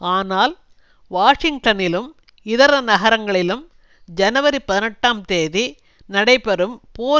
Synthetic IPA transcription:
aːnaːl | ʋaːʂɪŋɡʈɐnɪlɯm | ɪðɐɾɐnɐɣɐɾɐŋɡɐɭɪlɯm | d͡ʒɐnɐʋɐɾipɐðɪnɐʈːaːmt̪eːði | nɐɽɐɪpɛɾɯmpoː

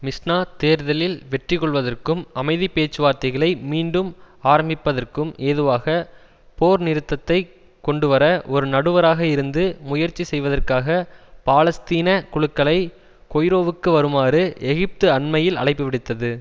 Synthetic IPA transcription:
mɪsnaːt̪eːɾðɐlɪlʋɛʈrɪkːɔɭʋɐðɐrkɯmɐmɐɪðipeːt͡ʃːɯʋaːɾt̪ɐɪɣɐɭɐɪmiːɳɖɯm | aːɾɐmbɪpːɐðɐrkɯmeːðɯʋaːɣɐ | poːɾnɪɾɯt̪ːɐt̪ːɐɪ | kɔɳɖɯʋɐɾɐʔɔɾɯnɐɽɯʋɐɾaːɣɐɪɾɯnd̪ɯmʊjɐɾt͡ʃːisɛjʋɐðɐrkaːɣɐpaːlɐst̪iːnɐkʊɻɯkːɐɭɐɪ | kɔjɾoːʋɯkːɯʋɐɾɯmaːɾɯɛɣɪp̚t̪ɯɐɳmɐjɪlɐ̰ɭɐɪpːɯʋɪɽɪt̪ːɐðɯ

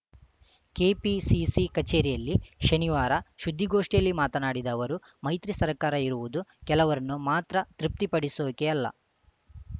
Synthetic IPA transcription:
keːpisisikɐt͡ʃeːɾijɐlːiʃɐniʋaːɾɐʃud̪ʱːiɡoːʂʈijɐlːimaːt̪ɐnaːɽid̪ɐːʋɐɾu | mɐjt̪ɾisɐɾkaːɾɐiɾuʋud̪ukɛlɐʋɐɾɐnːumaːt̪ɾɐt̪ɾip̚t̪ipɐɽisoːkeɐlːɐ̰

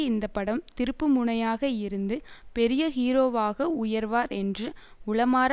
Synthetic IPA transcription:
ɪnd̪ɐpːɐɽɐmt̪ɪɾɯpːɯmʊɳɐjaːɣɐɪɾɯnd̪ɯpɛɾɪjɐhiːɾoːʋaːɣɐʊjɐɾʋaːɾɛndrɯ | ʊɭɐmaːɾ

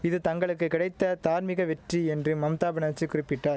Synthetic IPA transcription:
ɪðɯt̪ɐŋɡɐɭɯkːɯkɪɽɐɪt̪ːɐt̪aːɾmɪɣɐʋɛʈriɛndrɯmɐmt̪aːbɐnaːt͡ʃːikʊɾɪpːɪʈːaːɾ

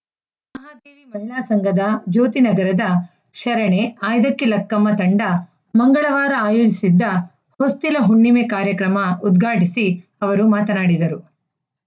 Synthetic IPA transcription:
mmɐɦaːd̪eːʋimɐɦiɭaːsɐŋɡʱɐd̪ɐd͡ʒoːt̪inɐɡɐɾɐd̪ɐ | ʃɐɾɐɳeaːjd̪ɐkːilɐkːɐmːɐt̪ɐɳɖɐ | mɐŋɡɐɭɐʋaːɾɐaːjoːd͡ʒisid̪ːɐ | host̪ilɐɦuɳːimekaːɾjɐkɾɐmɐud̪ɡʱaːʈisiɐʋɐɾumaːt̪ɐnaːɽid̪ɐɾu

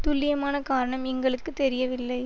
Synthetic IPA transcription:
t̪ʊlːɪjɐmaːnɐkaːɾɐɳɐmɛŋɡɐɭɯkːɯt̪ːɛɾɪjɐʋɪlːɐɪ

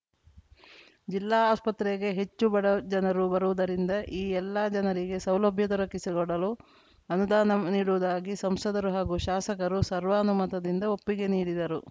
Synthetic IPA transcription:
d͡ʒilːaːaːspɐt̪ɾɛɡe̞ɦe̞t͡ʃːubɐɽɐd͡ʒɐnɐɾubɐɾuʋud̪ɐɾind̪ɐʔiːɛlːɐd͡ʒɐnɐɾiɡe̞sɐwlɐbʱjɐd̪ɐɾɐkisiɡɔɽɐlu | ɐnud̪aːnɐniːɽuʋud̪aːɡisɐmsɐd̪ɐɾuɦaːɡuːʃaːsɐkɐɾusɐɾʋaːnumɐt̪ɐd̪ind̪ɐo̞pːiɡe̞niːɽid̪ɐɾu

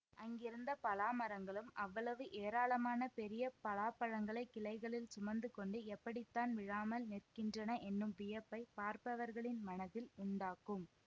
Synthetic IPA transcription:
ʔɐŋɡɪɾɯnd̪ɐpɐlaːmɐɾɐŋɡɐɭɯmɐʋːɐɭɐʋɯʔeːɾaːlɐmaːnɐpɛɾɪjɐpɐlaːpɐɻɐŋɡɐɭɐɪkːɪlɐɪɣɐɭɪlsʊmɐnd̪ɯkɔɳɖɯɛpːɐɽɪt̪ːaːnʋɪɻaːmɐlnɪrkɪndrɐnɐʔɛnːɯmʋɪjɐpːɐɪpaːɾpɐʋɐɾɣɐɭɪnmɐnɐðɪlʊɳɖaːkːɯm

